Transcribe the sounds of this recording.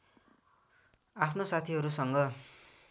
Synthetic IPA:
apʰnosat̪ʰiɦʌɾusʌŋɡʌ

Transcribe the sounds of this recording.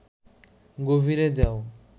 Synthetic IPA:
ɡovʱiɾed͡ʒao

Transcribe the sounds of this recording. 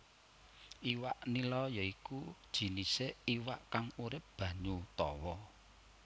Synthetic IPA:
ʔiwaʔnilɔjaikud̥ʒ̥i̤niseiwaʔkaŋuɾɪp̚b̥ä̤ɲut̪ɔwɔ

